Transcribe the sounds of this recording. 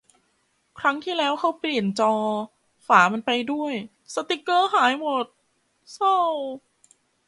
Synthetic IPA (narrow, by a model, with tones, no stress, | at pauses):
kʰɾa˦˥ŋt̪ʰiː˥˩lɛː˦˥wkʰa˦˥wpli˨˩ənt͡ɕɔː˧ | faː˩˦ma˧npa˧jdu˥˩əj | sa˧t̪i˦˥kːɤː˥˩ɦaː˩˦jmo˨˩t̪̚ | sa˥˩w